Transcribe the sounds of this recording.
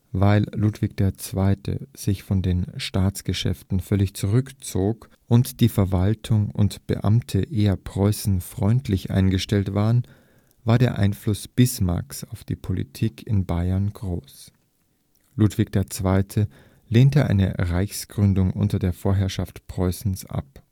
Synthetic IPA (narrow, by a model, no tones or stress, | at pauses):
vaɪllutv̥ɪç̚d̥eːɐt͡sv̥aɪtʰə̰z̥ɪçfɔndeːnʃtaːt͡sɡ̥əʃɛ̰ftn̩fœlɪçt͡suʁʏkt͡soːk | ʔʊntd̥iːfɛɐvaltʰʊŋʊ̰ntb̥ə̰ʔa̰mtʰəʔeːɐpʁ̥ɔʏsn̩fʁ̥ɔʏntʰlɪçʔa̰ɪnɡəʃtɛltv̥aːʁən | vaːɐdeːɐʔa̰ɪnflʊsb̥ɪsma̰ɐksaʊfd̥ḭːpʰolḭtʰiːkʰɪnbaɪɐnɡ̥ʁoːs | lutv̥ɪk̚d̥eːɐt͡sv̥aɪtʰə | leːntəʔa̰ɪnə̰ʁaɪçsɡ̥ʁʏndʊŋʔʊ̰ntɐdeːɐfoːɐɦɛɐʃaftpʁ̥ɔʏsn̩sʔa̰p̚